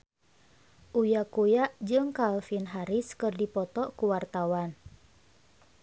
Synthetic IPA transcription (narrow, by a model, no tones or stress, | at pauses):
ʔujakujaʔd͡ʒɨŋkalfinɦaɾɪskɨrdipɔt̪ɔkuwart̪awan